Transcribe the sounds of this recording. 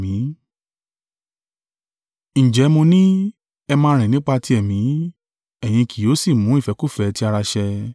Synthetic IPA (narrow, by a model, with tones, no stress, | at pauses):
ĩ˨˦ | ñ̩˨d͡ʒɛ˨˦mo˧nĩ˦ | ɛ˧mãː˧˦˧ɾ̃ĩ˨nĩ˦k͡pa˧ti˦ɛ˦˨mĩ˨˦ | ɛ˨j̃ĩ˧kʰi˨jo˨˦si˦˨mũ˨˦i˦˨fɛ˨˧˦ku˦˨fɛ˨˧ti˦a˧ɾa˧ʃɛ˧